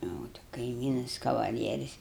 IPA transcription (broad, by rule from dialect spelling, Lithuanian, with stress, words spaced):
ˈjɛʊ tʲɪ kɐɪˈmʲiːnɐs kɐʋɐˈlʲiɛrʲɪs